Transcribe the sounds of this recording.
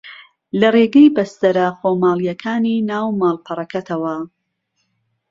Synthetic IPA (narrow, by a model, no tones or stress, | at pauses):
lɐreɡejbɐst̪ɐɾɐxoːmaːlˠijɐkʰaːninaːwmaːlˠpʰɐrˤɐkɐt̪ʰɐwɐ